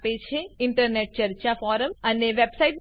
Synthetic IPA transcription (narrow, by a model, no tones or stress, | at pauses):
pet͡ʃʰeɪɳʈəɾneʈ̚t͡ʃəɾt͡ʃafɔɾəməneʋebsaiʈ̚